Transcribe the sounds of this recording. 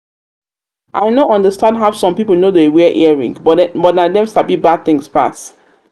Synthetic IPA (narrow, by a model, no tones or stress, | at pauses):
ʔaɪnoɔ̃ndəstãndɦaʊsɔ̃mpipəl̩nodeewɛʔɛɹḭ̃ŋbbɔtnadɛ̃msabibad̪̚θɪ̃ŋspa̰ts